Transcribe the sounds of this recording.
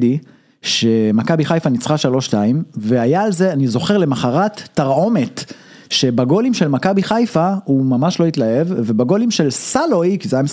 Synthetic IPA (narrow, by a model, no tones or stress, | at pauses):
di | ʃe̞makabiχajfanit͡sχaʃalo̞ʃtaimve̞ajaːlzeanizo̞χe̞ʁle̞maχaʁatːaʁo̞me̞t | ʃe̞baɡo̞limʃe̞lmakabiχajfahumamaʃlo̞it̪lae̞vvebaɡo̞limʃe̞lsalo̞jkizajams